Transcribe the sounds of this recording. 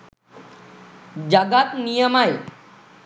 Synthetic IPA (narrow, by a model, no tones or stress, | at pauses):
d͡ʑaɡat̪nijəmae